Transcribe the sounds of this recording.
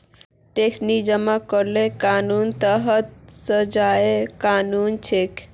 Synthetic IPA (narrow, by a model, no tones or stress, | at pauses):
ʈeksnid͡ʒəmakəɾlekanunt̪əɦət̪̚səd͡ʒaekanunt͡ʃʰek